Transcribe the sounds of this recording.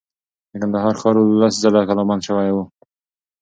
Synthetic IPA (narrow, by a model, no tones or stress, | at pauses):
d̪əkand̪aɦɑɾxɑɾullaszalakalɑmanʃəwajwu